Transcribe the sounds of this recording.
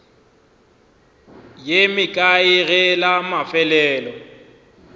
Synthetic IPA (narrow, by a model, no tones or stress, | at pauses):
jemɪkʼaɪɣɛlamafɛlɛːlɔ